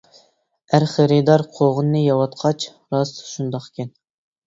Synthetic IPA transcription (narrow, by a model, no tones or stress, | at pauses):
æɾχeɾɨd̪ɑɾqʰoʁənːɨjɑwɑt̪qʰɑt͡ʃ | ɾɑsʃund̪ɑqkʲɛn